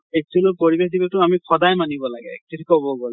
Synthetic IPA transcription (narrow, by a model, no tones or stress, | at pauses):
ɛk̚tulopoɹibexdibatʊamikʰɔdajmanibɔlaɡɛ̰ɛ̰k̚tʰitʰikɔbɔɡol